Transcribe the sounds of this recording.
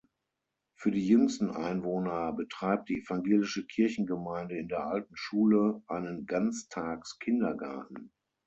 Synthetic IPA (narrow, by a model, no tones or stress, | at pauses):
fyːɐdiːjʏŋstn̩ʔa̰ɪnvoːnɐbətʁ̥aɪp̚t̚d̥iːɛfaŋɡeːlɪʃəkʰɪɐçn̩ɡəmaɪ̃ndəɪndeːɐʔaltn̩ʃuːləʔaɪnənɡant͡stʰaːkskʰɪndɐɡa̰ɐtn̩